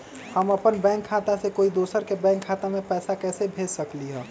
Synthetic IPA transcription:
həməpənbɛ̃ːŋkʰːaːt̪asekoːid̪oːsəɾkebɛ̃ːŋkʰːaːt̪amẽpɛːsakɛːsebʱeːd͡ʒsəkliɦɛ̃ː

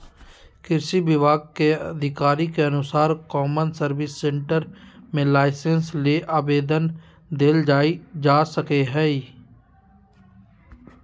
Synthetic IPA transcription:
kɪɾʃibɪʋaːɡ̚keɐd̪ʱɪkaːɾikeɐnʊsaːɾkɔːmənsəɾʋɪsːẽɳʈəɾmẽlaːɪsensleʔaːbeːd̪ən | d̪eːld͡ʒaːid͡ʒaːsəkeɦɛː

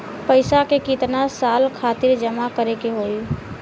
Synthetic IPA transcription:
pəɪsakekit̪nasalkʰat̪iɾd͡ʒəmakəɾekeɦoi

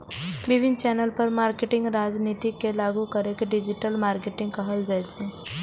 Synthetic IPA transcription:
biʋʱint͡ɕɛnəlpəɾmaɾkeʈiŋɡɾad͡znit̪ikːelaɡukəɾekɖid͡ʑiʈəlmaɾkeʈĩŋɡkəɦəld͡zajt͡se

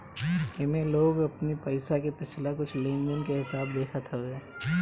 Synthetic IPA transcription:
ɛmẽloːɡɐpnipɐɪsakepɪt͡ʃʰlakʊt͡ʃʰlẽːnd̪ənkeɦɪsaːb̚d̪eːkʰat̪ʰaɦoaː

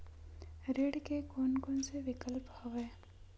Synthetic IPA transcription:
ɾeːɽkekonkonseʋɪkəlphoɡeː

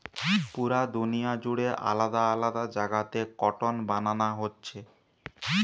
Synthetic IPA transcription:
puɾad̪unijad͡ʑuɽeʔa̰lad̪aalad̪ad͡ʑaɡat̪ekɔʈonbananaɦotːɕʰe

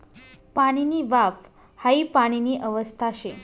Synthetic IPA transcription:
paɽ̃iniːʋaf | haipaɽ̃iniːʔəʋəst̪ʰaɕe

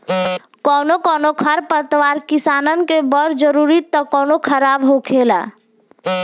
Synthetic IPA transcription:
kɔːnokɔːnokʰəɾpət̪waːɾkisaːnənkebəɾd͡ʒəɾuɾit̪ːɔkɔːnokʰəɾaːbɦokʰeːla̰

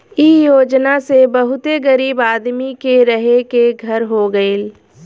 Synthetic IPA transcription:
ijoːd͡ʒnasebəɦʊt̪eɡəɾiːbaːd̪mikeɾɐɦekeɡʱɐɾɦoɡəeːl

